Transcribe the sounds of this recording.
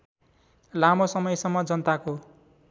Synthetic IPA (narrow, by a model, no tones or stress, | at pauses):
lamosʌmʌjsʌmːʌd͡zʌnt̪ako